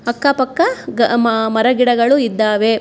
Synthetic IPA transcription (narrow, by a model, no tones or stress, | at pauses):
ɐkːɐpɐkːɐɐmɐɾɐɡiɽɐɡɐɭuid̪ːaːʋe